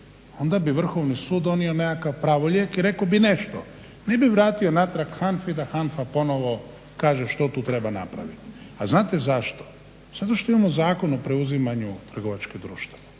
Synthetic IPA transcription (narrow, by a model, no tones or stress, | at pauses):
o̞nd̪abiʋr̩xo̞ʋnisuːd̪d̪o̞nio̞nekakaʋpɾaːʋoʎʲekiɾe̞kobine̞ʃt̪o | ne̞biʋɾaːt̪io̞nat̪ɾakxanfid̪axanfapo̞no̞ʋo̞ | kaːʒeʃt̪ot̪uːt̪ɾe̞bana̰pɾa̰ʋit̪ | aznaːt̪e̞zaʃt̪o̥ | z̥at̪oʃt̪o̞imamozaːkonopɾeuzimaɲut̪r̩ɡo̞ʋat͡ʃked̪ɾṵːʃt̪ʋae